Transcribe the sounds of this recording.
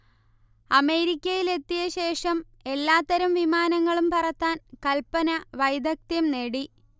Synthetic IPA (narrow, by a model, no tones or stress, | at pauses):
ɐme̞ːɾikʲːɐjile̞t̪ːijɐɕe̞ːʂɐm | e̞lːaːt̪ːɐɾɐmʋimaːnɐŋːɐɭumpɐrɐt̪ːaːnkɐlpɐnɐʋɐjd̪ɐk̚t̪jɐmne̞ɽi